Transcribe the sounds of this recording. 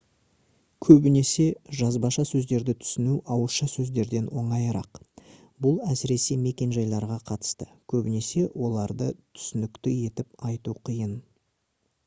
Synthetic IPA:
kʲʰɵbɪne̞se̞ʒɑzbɑʃɑsɵzd̪e̞ɾd̪ɪt̪ʰʏ̥sɪnuʔɑwəʃɑsɵzd̪e̞ɾd̪e̞nwo̞ɴɑjɾɑq | bʊlˠæsɪɾe̞se̞me̞kʲe̞nʒɑjlˠɑɾʁɑqʰɑt̪ə̥st̪əkʲʰɵbɪne̞se̞wʔo̞lˠɑɾd̪ət̪ʰʏ̥sɪnɪkt̪ɪje̞t̪ɪpɑjt̪uqʰijən

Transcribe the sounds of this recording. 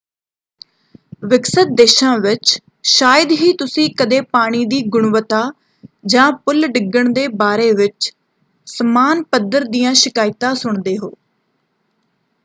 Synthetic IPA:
ʋɪksət̪̚d̪eːʃãːʋɪt͡ʃ | ʃaːjəd̪ɦiːt̪ʊsĩːkəd̪eːpaːɽ̃iːd̪iːɡʊɳʋət̪aː | d͡ʒãːpʊlɖɪɡəɳd̪eːbaːɾeːʋɪt͡ʃ | səmaːnpəd̪əɾd̪iːjãːʃɪkaːɪt̪ãːsʊɳd̪eːɦo̰ː

